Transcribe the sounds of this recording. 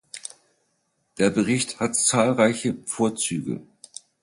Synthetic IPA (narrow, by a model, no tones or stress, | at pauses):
d̥eːɐbəʁɪçthatt͡saːlʁaɪçəfoːɐt͡syːɡə̰